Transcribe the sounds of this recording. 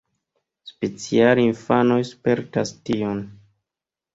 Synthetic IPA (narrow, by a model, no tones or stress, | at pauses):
spet͡sialinfano̞jspe̞ɾtastion